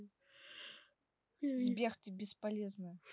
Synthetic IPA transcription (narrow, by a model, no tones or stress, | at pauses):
zbʲext̪ʲɪbʲɪspɐlʲeznɨ